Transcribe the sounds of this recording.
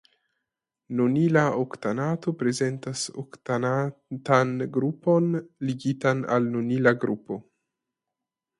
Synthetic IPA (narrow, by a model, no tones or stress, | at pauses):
nunilaoktanato̞pɾe̞ze̞ntaso̰ktanatanɡɾupo̞nliɡitana̰lnunilaɡɾupo̞